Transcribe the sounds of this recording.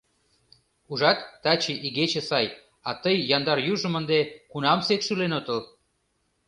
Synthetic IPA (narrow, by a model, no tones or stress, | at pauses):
uʒɑt̪ːɑt͡ɕiʔiɣet͡ɕĕsɑj | ɑt̪əjːɑnd̪ɑrjuʒə̆mə̆nd̪ekunɑmsekʃylenot̪əl